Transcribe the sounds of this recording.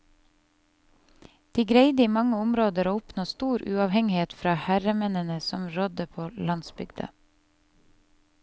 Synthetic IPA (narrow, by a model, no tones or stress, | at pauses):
d̪̥iːɡɾeɪd̪əiːmɑŋəʊmɾoːd̪əɾoːʊpnoːst̪uːɾʔʉɑːʋhɛŋɪheːt̪fɾɑːhæɾəmɛnənəsɔmɾɔd̪əpʰoːlɑnsbʏɡd̪ə̰